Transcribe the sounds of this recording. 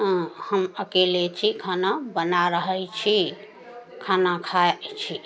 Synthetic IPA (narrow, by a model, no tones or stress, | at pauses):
həməkelet͡ʃʰikʰanabənaɾəɦəjt͡ʃʰi | kʰanakʰat͡ʃʰi